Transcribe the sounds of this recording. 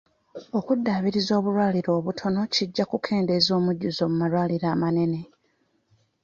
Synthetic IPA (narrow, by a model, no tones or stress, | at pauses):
o̞kudːaːβiɾizo̞ːβuɾwaːliɾo̞ːβutʰo̞no̞ciɟːakukʰe̞ːnde̞zo̞ːmuɟːuzo̞ːmumalwaːliɾaːmane̞ne̞